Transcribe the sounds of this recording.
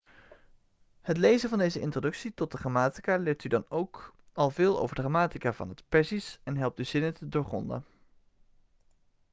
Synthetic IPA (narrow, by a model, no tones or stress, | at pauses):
hətlejzənvɑndejzəʔɪ̰ntrodɵksitɔt̚dəχramaːti̥kaːlɪːɹtydɑnowkɑlˠvɪːlˠo̰wvəɹdəχamaːtikaːvɑ̰nətpɛɹsisɛnɦɛlˠp̚tyz̥ɪnətədoːɹχɔ̰ndə̰